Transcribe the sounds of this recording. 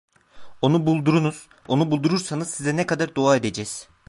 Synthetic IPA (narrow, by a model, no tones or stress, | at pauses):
o̞nubulˠd̪uɾunuz̥ | o̞nubulˠd̪uɾuɾsanɯzsizɛnɛkʰad̪aɾd̪oaːe̞d̪e̞d͡ʒɛːz̥